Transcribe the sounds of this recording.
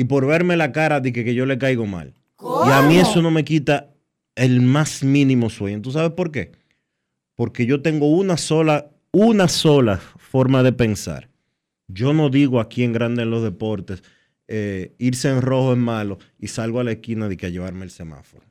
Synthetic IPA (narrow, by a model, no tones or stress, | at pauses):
ipo̞ɾβe̞ɾme̞lakaɾaðihekeʝole̞kajɣo̞ma̰l | iamĩe̞so̞no̞me̞kit̪a | elmasmĩnĩmo̞swe̞ɲont̪us̬aβespo̞ɾke̞ | poɾke̞ʝo̞t̪e̞ŋɡo̞unasola | unaso̞lafo̞ɾmaðe̞pe̞nsa̰ɾ | ɟ͡ʝo̞no̞ðiɣoakie̞ŋɡɾand̪eːnlo̞zðe̞po̞ɾt̪es | eiɾseːŋro̞hoe̞smalo̞ | isalɣoalaeskinaðikeaʝe̞βaɾmeelse̞ma̰fo̞ɾo